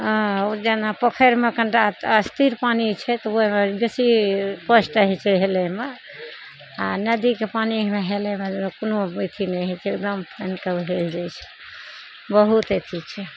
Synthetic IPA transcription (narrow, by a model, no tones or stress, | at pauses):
d͡ʒenapəkʰəɾmekəɳʈat̪əst̪iɾpanit͡ʃʰɛt̪ɔoɦmebesipəsʈəɦɛt͡ʃʰɛɦeleme | anəd̪ikepanimeɦelemekonoit̪ʰinɛɦɛt͡ʃʰɛek̚d̪əmpʰənkəbɦeld͡ʒajt͡ʃʰɛ̥ | bəɦut̪et̪ʰit͡ʃʰɛ